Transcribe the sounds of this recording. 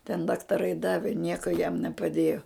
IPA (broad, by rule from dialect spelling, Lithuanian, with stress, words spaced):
tʲɛn dɐktɐˈrɐɪ ˈdɑːʋʲɪ ˈnʲiɛkoː jɛm nʲɛpɐˈdʲeːjoː